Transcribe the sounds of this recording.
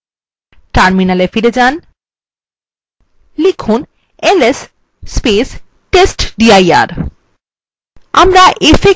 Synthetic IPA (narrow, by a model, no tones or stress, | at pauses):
ʈaɾminalefiɾed͡ʑan | likʰun | elesː | pes | ʈesʈɖiaja̰ɾ | amɾaʔefe